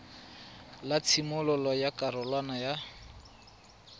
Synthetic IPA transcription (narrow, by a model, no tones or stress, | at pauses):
lat͡sʰimʊlʊlɔjakʼaɾɔlwanaja